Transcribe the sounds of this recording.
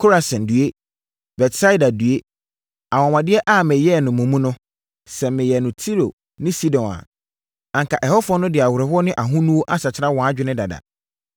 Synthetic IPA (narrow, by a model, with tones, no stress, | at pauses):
kʰo˦ɾa˨sɛ̃˨ndɥe˦ | bɛ˨tsa˦i˦da˨du˨e˦ | a˨wɔ̃˨mã˨dɪ˦ɛ˦ʔa˦˨mɪ̃˨jɛ˦˨nʊ̃˨mũ˨mũ˦nʊ̃˦ | sɛ˨mɪ̃˨jɛ˨nʊ̃˨tʰi˦ɾo˨ | nɪ̃˦si˦dɔ̃˨na̰˨ | ã˨ŋkʰa˨ʔɛ˨hɔ˦fʊ˦ɔ˦nʊ̃˦dɪ˨a˨wʊ˨ɾɛ˨hʊ˦ɔ˦nɪ̃˦ʔa˨ɦũ˦nũ˦wo˦ʔa˦sa˨t͡ɕʰɪ˦ɾa˦wɔ̃˨a˦d͡ʑᶣɪ˦nɪ̃˦da˨da̰˨